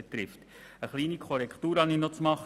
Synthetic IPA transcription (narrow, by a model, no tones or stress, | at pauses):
et̪ɾɪft | əχliːnikʰɔɾɛkχtuːɾhɑninot͡smɑχ